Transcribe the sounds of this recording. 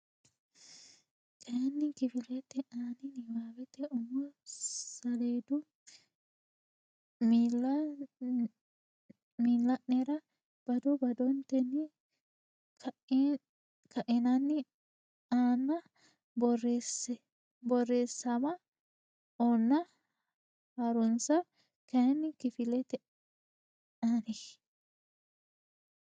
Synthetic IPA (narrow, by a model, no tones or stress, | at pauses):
kɛɐnːɪkɪfɪlɛt̪ːɛʔaːnɪnɪwaːwɛt̪ːɛʊmːɐsɐleːd̪ʊ | m | miːlːɐʔnɛɾɐ | b̥ɐd̪ɔbɐd̪ɔnt̪ɛnːɪ | k | kɐʔɪnɐnːɪ | aːnːɐ | bɔres | bɔrːeːsːɐmɐ | oːnːɐ | hɐɾɔnsɐ | kɛnːɪkɪfɪlɛt̪ɛ | anɪ